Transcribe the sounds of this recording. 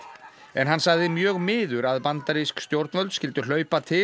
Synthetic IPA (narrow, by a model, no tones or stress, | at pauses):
ɛnɦanːsaɣðɪmjœːɣmɪːðʏɾaðpant̪aɾiskst̪jowɾt̪nvœlt̪scɪlt̪ʏl̥œːɥpat̪ʰɪ